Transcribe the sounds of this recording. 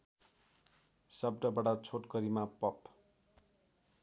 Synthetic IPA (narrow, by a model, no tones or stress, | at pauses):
sʌb̚ɖʌbaɽat͡sʰoʈkʌɾimapʌp